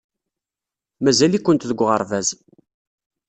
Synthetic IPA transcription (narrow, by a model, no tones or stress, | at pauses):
mæzælikʷːənt̪ðəɡʷːʁə̰ɾˤvæz